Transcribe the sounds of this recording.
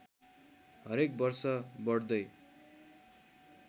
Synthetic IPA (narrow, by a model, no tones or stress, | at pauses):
ɦʌɾek̚bʌrsʌbʌɽd̪ʌj